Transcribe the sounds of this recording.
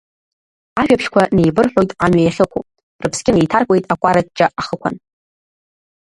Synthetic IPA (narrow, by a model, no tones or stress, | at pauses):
aʒᶣapʰʃkʷʰane̞jbɨrħᶣʷojtʼamɥajaχʲɪkʷʰo | rɨpʰsɡʲʼɪnejtʰarkʷʼe̞jtʼakʷʼaɾatʼt͡ʃʼaʔaχəkʷʰa̰n